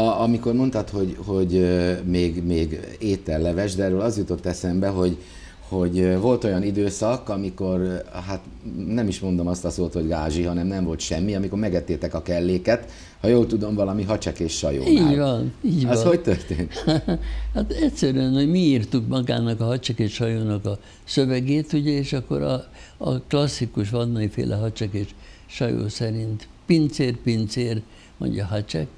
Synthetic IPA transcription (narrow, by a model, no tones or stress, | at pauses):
ɒmiko̞rmo̞nt̪ɒt̪ho̞ɟho̞ɟmeːɡmeːɡeːt̪ːɛllɛvɛʒd̪ɛːɾøːlɒzjut̪o̞t̪ːɛsɛmbɛɦo̞ɟ | ho̞ɟvo̞lt̪o̞jɒnid̪øːsɒkɒmiko̞rɦat̪ | nɛmiʃmo̞nd̪o̞mɒst̪ɒsoːt̪ho̞ɟɡaːʒiɦɒnɛmnɛɱvo̞lt̪ʃɛmːiɒmiko̞rmɛɡɛt̪ːeːt̪ɛkɒkɛlːeːkɛt̪ | hɒjoːlt̪ud̪o̞mvɒlɒmiɦɒt͡ʃɛkeːʃːɒ̰jo̰ːiːʋɒniːɟʋɒhoct̪ørt̪ḛːnt̪ | hat̪ɛtʲsɛɾyɛnho̞ɟmiiːrt̪ukmɒɡa̰ːnɒkɒɦɒt͡ʃɛkeːʃʃɒjoːnɒkɒ | søvɛɡeːt̪uɟɛeːʃɒkːo̞̰ɾɒ̰ | klɒsːikuʃ̬ʋɒnːɒifḛːlʔɛɦɒt͡ʃɛkeːʃʃɒjo̰ːsɛɾint̪ | pint̪seːrpint̪seːr | mo̰ɲɟɒɦɒt͡ʃɛ̰k